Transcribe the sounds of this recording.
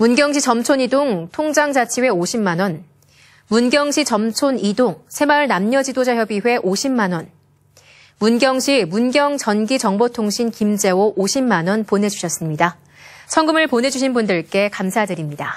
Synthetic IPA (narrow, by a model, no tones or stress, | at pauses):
munɡjʌŋɕ̬ʰit͡ɕʌmt͡ɕʰonidoŋtʰoŋd͡ʑaŋd͡ʑat͡ɕʰiwe̞oɕʰimːanwʌn | munɡjʌŋɕʰit͡ɕʌmt͡ɕʰonidoŋsʰe̞maɯɭnamɲʌd͡ʑidod͡ʑajʌbiɸwe̞ʔoɕʰimːanwʌn | munɡjʌŋɕʰimunɡjʌŋt͡ɕʌnɡit͡ɕʌŋbotʰoŋɕʰinkimd͡ʑe̞oʔoɕʰimːanwʌnponɦe̞d͡ʑuɕʰʌs͈ɯmɲida | sʰʌŋɡɯmɯɭponɦe̞d͡ʑuɕʰinbundɯɭk͈e̞kamsʰadɯɾimɲida